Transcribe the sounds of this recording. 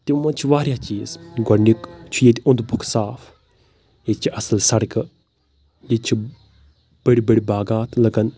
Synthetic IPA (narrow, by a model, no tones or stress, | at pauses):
t̪imɐt͡ʃʰiʋaːɾʲjaːt͡ʃiːzɡɐnikt͡ʃʰujet̪ʲiʊ̃nd̪bʱukʰsaːf | jet͡ʃʰiʔɐsɐlsɐɽkɨ | jit͡ʃʰi | b̥ɐɽibɐɽibaːɡaːt̪ʰlɐɡɐn